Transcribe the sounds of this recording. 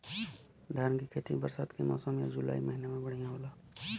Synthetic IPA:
d̪ʱaɾnkikʰet̪ibəɾsaːt̪kimɔ̰ːsəmja̰d͡ʒula̰ːiməɦinemẽbəɽ̤ijãɦola

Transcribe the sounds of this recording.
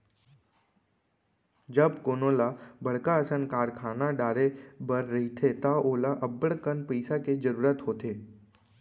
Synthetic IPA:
d͡ʒəbkoːnoːlabəɽ̤kaəsənkaːɾkʰaːnaɖaːɾebəɾːɐɦit̪ʰet̪aoːlaʔəbːəɽkənpəɪsaked͡ʒəɾuːɾət̪ɦoːt̪eː

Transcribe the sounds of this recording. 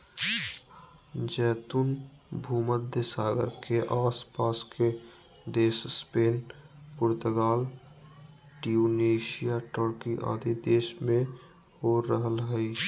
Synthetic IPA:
d͡ʒɛːt̪ʊnbʱuːməd̪ʱjəsaːɡə̰ɾkeʔaːspaːskʰe | d̪eːʃspeːnpʊɾt̪əɡaːl | ʈijuːneːʃijaʈɔɾkiʔa̰ːd̪id̪eːʃmẽ | hoːɾəɦəlɦəi

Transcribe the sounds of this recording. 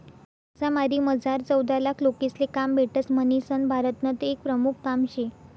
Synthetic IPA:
samaɾiːməd͡zaɾt͡səwd̪alakʰlokislekambʱeʈət͡smənisənbʱaɾət̪nət̪ek̚pɾəmukʰkamɕe

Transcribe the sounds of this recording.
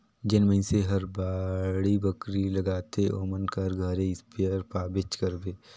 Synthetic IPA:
d͡ʒɪnmə̃ɪ̃seɦɐɾbaːɽibɐkɾilɐɡaːt̪eʔoːmənkəɾɡʱɐɾẽɪspejəɾpaːbɪt͡ʃkəɾbeː

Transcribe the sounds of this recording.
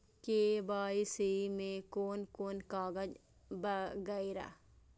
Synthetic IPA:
kebaːisimẽkoːnkoːnkaːɡəd͡ʒ | bəɡaiɾa̰

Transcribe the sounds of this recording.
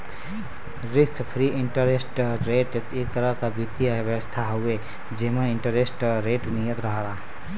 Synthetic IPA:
ɾikt͡ʃpʰɾiʔiɳʈəɾesʈɾeʈet̪ek̚t̪əɾəɦkabit̪ːibəwəst̪ʰaɦoe | d͡ʒeməniɳʈəɾesʈɾeʈnijət̪ɾəɦəɾa

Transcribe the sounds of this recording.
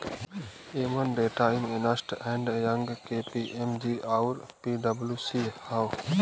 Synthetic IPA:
eːmənɖeːʈaːɪnenəsʈɛ̃ːɳɖjəŋɡkeːpiːʔemd͡ʒiːaːʊɾpiːɖəbljuːsiːhaːw

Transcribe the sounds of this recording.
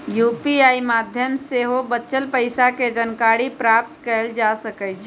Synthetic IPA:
jupiaimad̪ʱjəmseɦobətːt͡ʃəlpəɪsaked͡ʒənkaɾipɾap̚t̪kəld͡ʒasəkɛt͡ʃʰ

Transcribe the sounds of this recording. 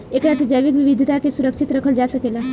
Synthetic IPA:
eːkɽasəd͡ʒəjʋɪkʋɪʋɪd̪ʱit̪akesʊɾəkʃɪt̪ɾɐkʰəld͡ʒaːsəkeːlaː

